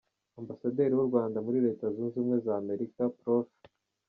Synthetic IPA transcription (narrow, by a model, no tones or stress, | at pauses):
ambasade̞ɾiwuɾɡwaːndamuɾiɾe̞ːtazunzuːmŋe̞zame̞ɾikapɾoʃ